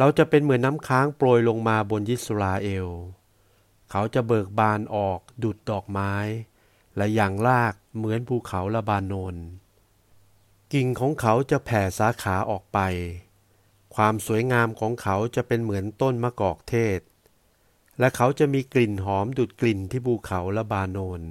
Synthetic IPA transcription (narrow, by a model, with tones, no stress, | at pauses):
ɾa˧wt͡ɕa˨˩pe˧nmɯ˩˦ənːa˦˥mkʰaː˦˥ŋploː˧jlo˧ŋmaː˧bo˧nji˦˥t̪̚sɾaː˧ʔeː˧w | kʰa˦˥wt͡ɕa˨˩bɤː˨˩k̚baː˧nʔɔː˨˩k̚duː˨˩t̪̚dɔː˨˩k̚maː˦˥j | lɛ˦˥˩jaː˨˩ŋlaː˥˩k̚mɯ˩˦ənpʰuː˧˩kʰa˩˦wla˧˥baː˧nːoː˧n | ki˨˩ŋkʰɔː˩˦ŋkʰa˦˥wt͡ɕa˨˩pʰɛː˨˩saː˨˦kʰaː˩˦ʔɔː˨˩k̚pa˧j | kʰwaː˧msu˨˩˦əjŋaː˧mkʰɔː˩˦ŋkʰa˦˥wt͡ɕa˨˩ʔpe˧nmɯ˩˦ənt̪o˥˩nmaː˧kɔː˨˩k̚t̪ʰeː˥˩t̪̚ | lɛ˦˥˩kʰa˦˥wt͡ɕa˨˩miː˧kli˨˩nɦɔː˩˦mduː˨˩t̪̚kli˨˩nt̪ʰiː˥˩pʰuː˧kʰa˩˦wla˦˧˥baː˧noː˧n